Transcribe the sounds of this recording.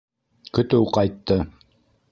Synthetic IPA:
kɵ̆t̪ɵwqɑjt̪ːɤ

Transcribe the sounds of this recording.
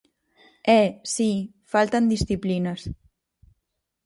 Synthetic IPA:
ɛsi | falˠt̪ənd̪isθiplinəs

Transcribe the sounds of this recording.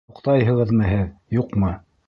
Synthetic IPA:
uqt̪ɑjɦɤ̆ʁɤ̆ðmɤɦɘðjuqmɤ

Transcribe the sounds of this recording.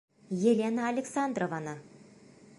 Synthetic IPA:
jelʲenaːlʲeksand̪rovanə

